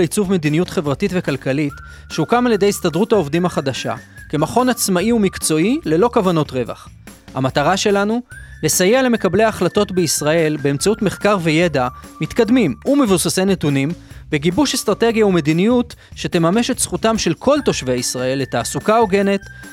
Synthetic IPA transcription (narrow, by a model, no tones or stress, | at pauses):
it͡suvme̞d̪inijutχe̞vʁatitve̞kalkalit | ʃeukamaljede̞jistadʁuthao̞vdimaχadaʃa̰ke̞maχo̞nat͡smaiumikt͡so̞ile̞lo̞kavano̞tʁe̞va̰χ | ha̰mataʁaʃe̞lanule̞sajele̞mekable̞jaχlato̞tbeisʁae̞lbe̞emt͡sautmeχkaʁve̞je̞damit̪kad̪mimume̞vusase̞ne̞tunimbeɡibuʃest̪ʁate̞ɡjaume̞d̪inijutʃe̞te̞mame̞ʃe̞tsχutamʃe̞lkʰo̞lto̞ʃveisʁae̞letaːsukaoɡe̞ne̞t